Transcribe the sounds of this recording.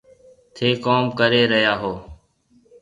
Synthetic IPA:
t̪ʰeːkoːmkəɾeːɾəɦjaːɦoː

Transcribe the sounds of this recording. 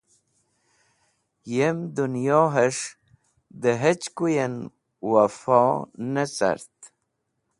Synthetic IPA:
jemd̪unjoɦeʂ | d̪əɦet͡ɕkujen | wafonet͡sa̰ɾt̪

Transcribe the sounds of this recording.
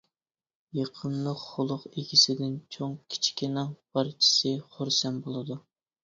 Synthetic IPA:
jeqʰənlˠəqχʊlˠʊqeɡʲisɪd̪ɪnt͡ʃʰoŋkʲʰi̥t͡ʃʰi̥kʲɪnɨŋpʰɑɾt͡ʃʰi̥sɨχoɾsɛnbolˠɨd̪u

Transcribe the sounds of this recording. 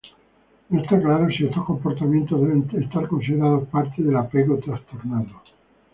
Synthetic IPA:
est̪aklaɾosiest̪osko̞mpo̞ɾt̪amjent̪ozðeβenest̪aɾko̞nsiðeɾað̞ospaɾt̪eðelapeɣot̪ɾast̪o̞ɾnaðo

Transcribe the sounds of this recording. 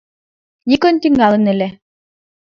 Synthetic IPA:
nikœnt̪iŋɡalˠɯnɛlɛ

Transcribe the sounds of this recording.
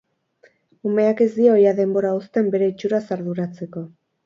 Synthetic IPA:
ume̞ake̞zd̪io̞jaðe̞mbo̞ɾaust̪e̞mbe̞ɾe̞it͡ʃuɾasaɾðuɾat͡se̞ko̞

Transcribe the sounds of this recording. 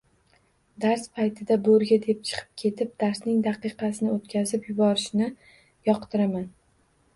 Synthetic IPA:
d̪aɾspʰajt̪ʰɪd̪aboɾɡʲad̪e̞p̚t͡ʃʰɨ̥qʰɨ̥p̚kʲʰe̞t̪ʰɪp̚d̪aɾsnɪŋd̪aqɨqʰɑsɪnɪot̪kʲʰazɪpjʊbɒɾɪʃnɪ | jɒqt̪ʰɪɾaman

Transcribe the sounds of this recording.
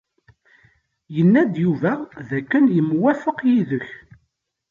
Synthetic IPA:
jənːæd̪juvæðækːənjəmwæfəqjiðəç

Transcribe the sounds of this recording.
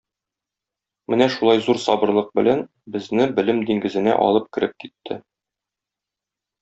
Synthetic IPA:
mɘnæʃulˠɑjzuɾsɒbɤ̆ɾlˠɤq̚bɘ̆læn | bɘ̆znɘbɘ̆lɘmd̪iŋɡɘ̆zɘ̆næ̰ʔɒ̰lˠɤp̚kɘ̆ɾɘp̚kit̪ʰːɘ

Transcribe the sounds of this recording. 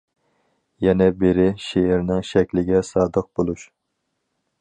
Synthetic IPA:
jɛnɛbɪɾɪʃeɪɾnɪŋʃɛkʲlɪɡʲɛsɑːd̪əq̚b̥olˠuʃ

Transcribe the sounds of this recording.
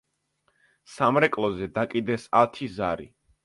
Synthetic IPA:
samɾɛkʼlˠɔzɛd̪akʼid̪ɛsat̪ʰizaɾḭ

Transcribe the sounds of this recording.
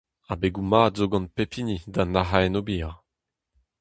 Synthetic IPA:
abeɡumaːdzoɡɑ̃npepʰinidanaɦaɛnobiaʁ

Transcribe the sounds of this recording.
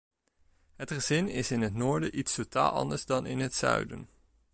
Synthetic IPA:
ɦətχəzɪnɪsɪnɦətnʊːɹdəʔitstota̰ːlˠɑ̰ndəɹzdɑnɪ̰nɦətsœ̰ɥdə̰n

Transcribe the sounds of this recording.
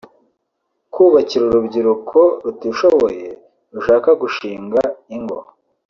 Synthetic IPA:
kuːβaciɾuɾubɟiɾukʰo̞ɾutiʃoβo̞je̞ | ɾuʃaːkaɡuʃiːŋɡaiŋɡo̰

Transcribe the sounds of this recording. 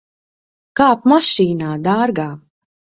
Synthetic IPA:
kap̚maʃiːnad̪aːɾɡa

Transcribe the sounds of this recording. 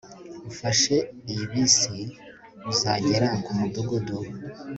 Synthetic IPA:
ufaʃeijiβisi | βuzaɟeɾaŋkumuduɡudu

